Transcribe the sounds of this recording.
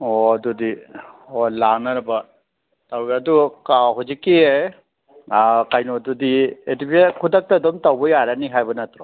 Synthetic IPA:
ɔdudiɔlaŋnaɾba | tawadukaɦɔd͡ʒikie | akajnɔdudietipekʰudak̚tadɔmtawbɔjaɾaniɦajbɯnatɾɔ

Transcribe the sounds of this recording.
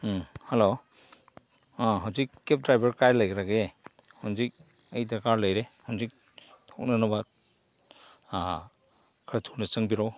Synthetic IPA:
helo | ɦawzikːep̚dɾajbaɾkajlajɡɾaɡehawnzik̚ | əjdaɾkaɾləjɾehawnzik̚ | tʰɔk̚nanaba | kʰɾatʰunasɯŋbiɾɔw

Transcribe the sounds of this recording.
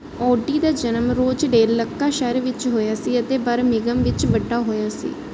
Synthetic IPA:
ɔːɖiːd̪aːd͡ʒənəmɾoːd͡ʒɖeːɾləkːaːʃɛːɾʋɪt͡ʃɦoːjaːsiːət̪eːbəɾmɪɡəmʋɪt͡ʃʋəɖːaːɦoːjaːsḭː

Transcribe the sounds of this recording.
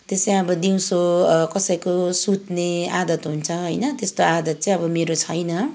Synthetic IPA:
t̪est͡saj̃ʌbʌd̪iw̃sokʌsʌjkosut̪nead̪ʌt̪ɦunt͡sʰʌɦʌjnʌt̪est̪oad̪ʌt̪̚t͡saĩj̃ʌbʌmeɾot͡sʰʌjnʌ

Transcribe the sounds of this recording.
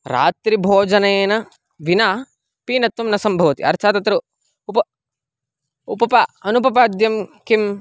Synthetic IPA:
ɾa̰ːt̪ɾibʱoːd͡ʒɐnɐeːnɐ | ʋinaː | piːnɐt̪ʋɐmnɐsɐmbʱɐʋɐt̪ḭɐ̰ɾt̪ʰaːt̪ɐt̪ɾu | upɐ | upɐpɐɐnupɐpaːd̪jɐmkim

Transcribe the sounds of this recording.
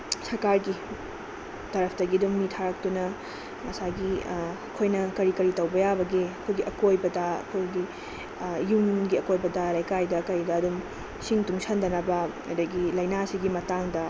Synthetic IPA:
sɐɾkaɾɡi | tɐɾɐpʰtɐɡiduŋnitʰaɾɐk̚tunɐ | mɐsaɡiɐkʰojnɐkɐɾikɐɾitɐwbɐjabɐɡiɐkʰojɡiʔɐkojbɐdɐɐ̰kʰojɡi | juŋɡiɐkojbɐdɐlɐjkajdɐkɐɾdɐːdum | siŋtuŋsɐndɐnɐbɐ | ɐdɐɡilɐjnasiɡimɐtaŋdɐ

